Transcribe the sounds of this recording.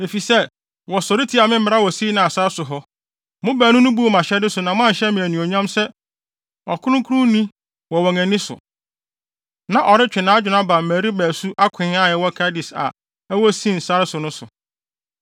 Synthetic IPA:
e˨fi˨sɛ˦ | wɔ˨sɔ˨ɾi˦tʰi˨˦a˨mɪ̃˦m̩˦mɪ˦ɾa˦wɔ˨siː˦nã˨a˨sa˦ɾɪ˦sʊ˨ɦɔ˦ | mʊ̃˦bæː˨nʊ̃˦nʊ̃˦bu˦˨mã˨ɕɛ˦dɪ˦sʊ˨nã˨mʊ̃˦ã˦n̩˨ɕɛ˦mĩ˨æ˨nĩ˨ɔ˨ɲã˦msɛ˦ | ɔ̰˨kʰʊ˦ɾʊ̃˦kʰu˦ɾũ˦nĩ˦ | wɔ˨wɔ̃˨ŋæ̃˨nɪ̃˦sʊ̰˨ | nã˨ʔɔ˨ɾɪ˦t͡ɕᶣɪ˨nãː˨˦d͡ʑᶣʊ˨nã˦ba˨m˨mæ˨ɾi˦bæː˨su˦ʔa˦kʰɪ̃˨˦a˦˨jɛ˨wɔ˦kʰa˦dɪ˨sa̰˨ | ɛ˦wɔ˦sĩ˦˨n̩˨sa˦ɾɪ˦sʊ˨nʊ̃˦sʊ˨

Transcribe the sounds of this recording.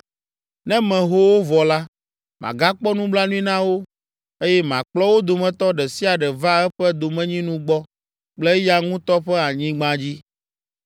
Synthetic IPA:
nɛ̃˦mɛ̃˨ɦo˦wo˦vɔ˨la˦ | mʔã̰˨ɡa˦k͡pɔ˦nũ˦bla˦nũ˦ĩ˦nã˦wo˦ | e˦jɛ˦mã˨k͡plɔ˦wo˦d̪o˨mɛ̃˨t̪ɔ˦ɖɛ˨si˦a˨ɖɛ˨va˦ɛ˦ɸɛ˦d̪o˨mɛ̃˦ɲĩ˦nũ˦ɡ͡bɔ˦ | k͡plɛ˦ja˦ŋũ˦t̪ɔ˦ɸɛ˦a˨ɲĩ˦ɡ͡bã˦d͡ʑi˦

